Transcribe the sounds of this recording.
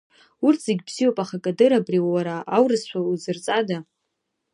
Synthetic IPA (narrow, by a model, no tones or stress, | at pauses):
urtʰz̥eɡʲbz̥ijopʼaχakʼadɨɾabriwwaɾaawrɨsʃʷauzɨrt͡sʼada